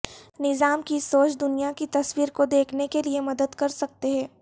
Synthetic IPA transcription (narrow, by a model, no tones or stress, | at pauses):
nɪzaːmkisoːt͡ʃd̪ʊnijakit̪ɐswiːɾkod̪eːkʰnekeliemɐd̪əd̪kɐɾsɐk̚t̪eɦɛ̃ː